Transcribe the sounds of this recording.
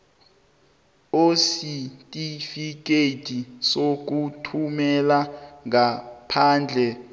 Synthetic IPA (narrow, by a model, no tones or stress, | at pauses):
ositʼifik̬etʰʼisok̬utʰumɛlaŋapʰaːnd͡ɮʱɛ